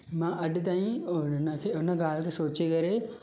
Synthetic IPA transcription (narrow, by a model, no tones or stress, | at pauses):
mãːʔɐɗɪt̪aːĩnəkʰeʊnə̆ɡaːl̤kʰeːsoːt͡ɕekɐɾe